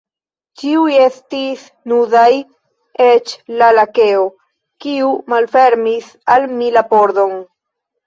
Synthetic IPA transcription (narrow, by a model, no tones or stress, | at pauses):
t͡ʃiuje̞stis | nudaj | et͡ʃlalake̞o | kiumalfe̞ɾmis | almilapo̞ɾd̪o̞n